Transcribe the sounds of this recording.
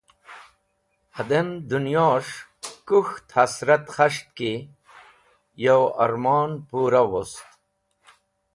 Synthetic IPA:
hɐd̪end̪unjoːʂkuxt̪hɐsɾɐt̪xɐʂt̪̚ki | jɐwɐ̰ɾmɑːnpuːɾawost̪

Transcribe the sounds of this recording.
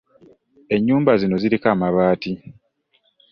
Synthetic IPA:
e̞ɲːuːmbazino̞ziɾikaːmaβaːti

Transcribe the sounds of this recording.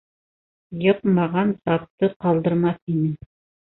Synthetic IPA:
jɤqmɑʁɑnt̪ɑp̚t̪ɤqɑlˠd̪ɤ̆ɾmɑθinɘ

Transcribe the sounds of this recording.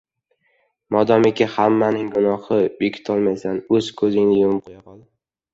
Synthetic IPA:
mɒd̪ɒmekʲɪhamːanɪŋɡʊnɒhɪbekʲʰɪ̥t̪ʰɒlˠmajsanɵz̥kʰɵzɪŋnɪjʊmqʰojaqʰɒlˠd̪ɪ

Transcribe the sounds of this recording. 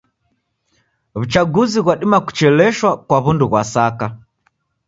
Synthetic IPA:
βut͡ʃaɡuziɣwaɗimaku̥t͡ʃɛlɛʃwakwaβunduɣwasaka

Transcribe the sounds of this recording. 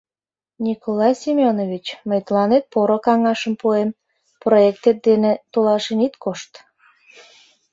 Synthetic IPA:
nʲikʰolɑjsimʲonoβʲit͡ɕməjt̪əlɑnet̪̚poɾokɑŋɑʃəmpuem | proek̚t̪et̪̚d̪enet̪olɑʃenit̪kʰoʃt̪

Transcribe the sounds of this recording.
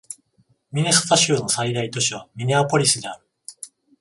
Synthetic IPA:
mʲine̞sɨ̥t̪aɕɨːno̞said̪ait̪o̞ɕiβ̞amʲine̞apo̞ɾʲisɨd̪e̞aɾɯ̟

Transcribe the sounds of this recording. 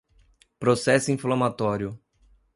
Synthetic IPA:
pɾosɛsʊĩflamat̪ɔɾjʊ

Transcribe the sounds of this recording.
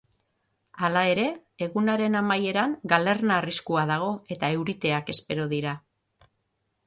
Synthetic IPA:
alae̞ɾe̞ːɣunaɾe̞namaje̞ɾaŋɡale̞ɾnaːriskuað̞aɣ̞o̞e̞t̪ae̞wɾit̪e̞ake̞spe̞ɾo̞ðiɾa

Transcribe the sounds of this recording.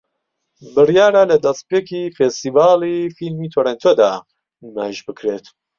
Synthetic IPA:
bɨrjaːɾalɐd̪ɐspeːkʰifest̪iːvaːlˠifilmiːt̪ʰoɾent̪ʰod̪a̰ː | ima̰ːjiʃbɨkʰɾet̪

